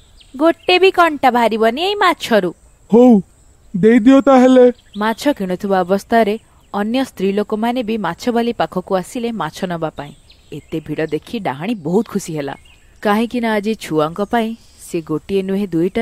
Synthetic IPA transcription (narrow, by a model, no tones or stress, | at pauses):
ɡoʈebikɔɳʈabʱaɾibɔniejmat͡ʃʰɔɾu | how | d̪ejd̪iɔt̪aɦele | mat͡ʃʰɔkiɽ̃ɔt̪ʰibaɔbɔst̪ʰaɾe | ɔnjɔst̪ɾilokomanebimat͡ʃʰɔbalipakʰɔkuasilemat͡ʃʰɔnɔbapaĩ | et̪ebʱiɽɔd̪ekʰiɖaɦaɽ̃ibɔɦut̪̚kʰusiɦela̰ | kaɦĩkinaad͡ʒit͡ʃʰuaŋkɔpaĩ | seɡoʈienuɦed̪ujʈa